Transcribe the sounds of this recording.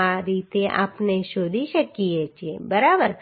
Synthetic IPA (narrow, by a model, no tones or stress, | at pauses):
aɾiːt̪eʔa̰ːpneʃoːd̪ʱiʃəkːijet͡ʃʰiebəɾabəɾ